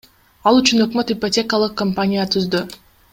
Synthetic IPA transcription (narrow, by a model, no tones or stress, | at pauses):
ɑlˠyt͡ʃynø̞kmøt̪ipotʲe̞kəlˠɯqkːompanʲijat̪ʰyzd̪y